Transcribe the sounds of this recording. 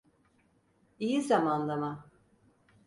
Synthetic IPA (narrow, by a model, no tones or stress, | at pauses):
ijizamanlˠama